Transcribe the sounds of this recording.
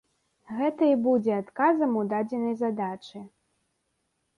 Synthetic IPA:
ɣɛt̪ɐibud͡zʲɛat̪kazɐmud̪ad͡zʲɛnɐjzad̪at͡ʂɨ

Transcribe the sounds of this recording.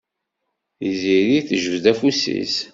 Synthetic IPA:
iziɾiθʒəvd̪æfusḭs

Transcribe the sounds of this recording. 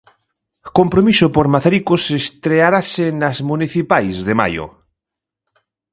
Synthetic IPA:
kompɾomisopoɾmaθaɾikosest̪ɾeaɾasenazmũniθipajzðema̰jo̰

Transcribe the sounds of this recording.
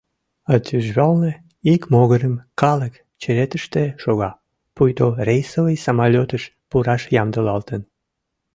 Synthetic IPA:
ɑt̪ʲyʒβɑlne | ikmoɣəɾəmkɑlək | t͡ɕeɾet̪əʃt̪eʃoɣɑ | pujt̪orejsəvəjsɑmɑlʲot̪əʃ | puɾɑʃjɑmd̪əlɑlt̪ən

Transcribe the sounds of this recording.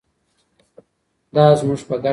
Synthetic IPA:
d̪ɑːzmuʐpəɡa

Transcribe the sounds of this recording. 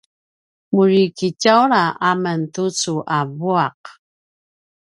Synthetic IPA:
muɹikicawɾaʔaməntut͡suʔavuaq̚

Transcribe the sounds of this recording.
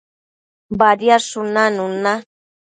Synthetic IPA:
baɾjaʂʊnanuna

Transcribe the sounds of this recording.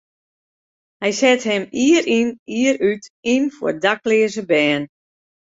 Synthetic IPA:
hɛjsɛthɛmiəɾiniəəɾytinfʊ̰rdaklɪəzəbɛːn

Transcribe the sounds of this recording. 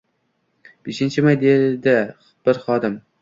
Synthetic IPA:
b̥eʃɪnt͡ʃʰɪmajd̪ed̪ɪ | b̥ɪɾχɒd̪ɪm

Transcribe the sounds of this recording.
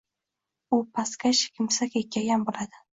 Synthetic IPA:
ʊpʰaskʲaʃɪ̥kʲʰɪmsakʲekʲːajanbolad̪ɪ

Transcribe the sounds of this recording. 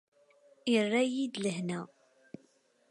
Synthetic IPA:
irːæjid̪ləhnæ

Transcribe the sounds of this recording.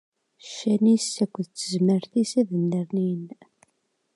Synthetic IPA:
ʃænisækʷːðt͡sːəzməɾθisæðənːəɾnin

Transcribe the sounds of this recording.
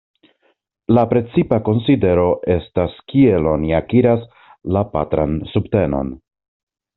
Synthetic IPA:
lapɾe̞t͡sipako̞nside̞ɾo̞ʔe̞staskie̞lo̞niakiɾas | lapa̰tɾa̰nsubte̞no̞̰n

